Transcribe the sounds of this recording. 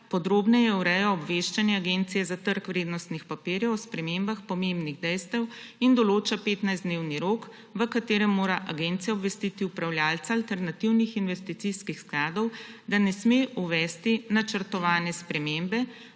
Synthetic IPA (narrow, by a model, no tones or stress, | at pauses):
pɔd̪ɾoːbnɛjɛuɾɛjɔɔbʋeʃt͡ʃanjɛaɡent̪sijɛzat̪əɾkʋɾeːd̪nɔst̪nixpapiːɾjɛwspɾɛmeːmbaxpɔmembniɣd̪ɛjst̪ɛwind̪ɔloːt͡ʃapeːt̪najzd̪newniɾoːk | ʋəkat̪eːɾɛmːoːɾaʔaɡent̪sijaɔbʋɛst̪it̪iupɾawljaːlt̪saːlt̪ɛɾnat̪iwnixinʋɛst̪it̪siskixsklaːd̪ɔwd̪anɛsmeuʋɛːst̪inat͡ʃəɾt̪ɔʋaːnɛspɾɛmembɛ